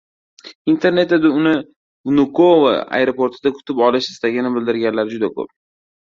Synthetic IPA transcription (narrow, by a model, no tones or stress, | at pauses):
int̪ʰe̞ɾne̞t̪ad̪ɪʊnɪ | vnʊkʰova̰a̰jɾopʰo̞ɾt̪ʰɪd̪akʰʊ̥t̪ʰɪpɒlɪʃɪ̥st̪ʰaɡʲɪnɪbɪld̪ɪɾɡʲanlaɾɪd͡ʒʊd̪akʰɵ̰p̚